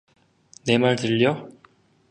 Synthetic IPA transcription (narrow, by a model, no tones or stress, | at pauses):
ne̞maɭtɯʎːʌ